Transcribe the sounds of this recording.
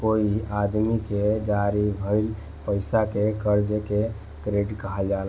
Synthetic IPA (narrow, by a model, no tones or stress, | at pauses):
koiad̪miked͡ʒaɾibʱəɪl | pəɪsakekəɾd͡ʒeke | kɾeɖkəɦəld͡ʒal